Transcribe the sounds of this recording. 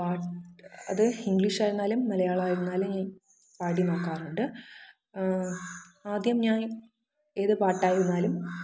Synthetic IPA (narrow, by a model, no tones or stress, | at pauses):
paːʈɐ̰ðɨiŋɡɭiʂaːjɾunːaːlumnɐlɐjaːɭaːjiɾunːaːlumɲaːn | paːɽino̞ːkːaːruɳɖɨ | aːd̪jɐmɲaːn | e̞ːðɨpaːʈːaːjiɾunːaːlum